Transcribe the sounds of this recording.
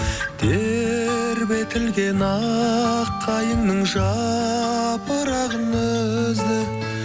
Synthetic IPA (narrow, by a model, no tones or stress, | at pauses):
d̪̥e | ɾbe̞t̪ʰɪlɡʲenɑ | qʰːɑjənnəɴʒɑ | pəɾɑʁənəzd̪ɪ